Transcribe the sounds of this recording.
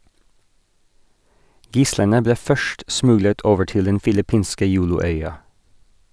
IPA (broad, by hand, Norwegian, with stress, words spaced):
ˈɡɪslənə ˈbleː ˈfœʃʈ ˈsmʉɡlət ˈoːʋə ˈʈɪl ˈdɛn fɪlɪˈpiːnskə ˈjuːlʊˌœʏɑ